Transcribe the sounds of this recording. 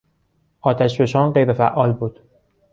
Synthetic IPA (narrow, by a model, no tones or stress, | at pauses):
ʔɒːt̪ʰæʃbe̞ʃɒːnɢejɾefæ̰ʔɒːlbuːd̪̥